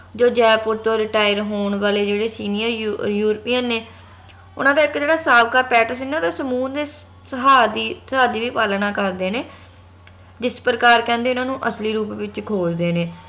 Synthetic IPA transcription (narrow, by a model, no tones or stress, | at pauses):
d͡ʒoːd͡ʒɛːpʊɾt̪oːɾɪʈaːjəɾɦoːɳʋaːleːd͡ʒeːɽeːsiːnijəɾjuːɾpiːənːeː | ʊ̰nãːd̪aːɪkd͡ʒeːɽaːsaːʋkaːpɛːʈəsenːeoːd̪aːsəmuːnd̪eː | səɦaːd̪iːsəɦaːd̪iːʋiːpaːlnãːkəɾd̪eːneː | d͡ʒɪspɾəkaːɾkɛ̃ːnd̪eːʊnãːnũːʔəsliːɾuːpʋɪt͡ʃkʰoːd͡ʒd̪eːneː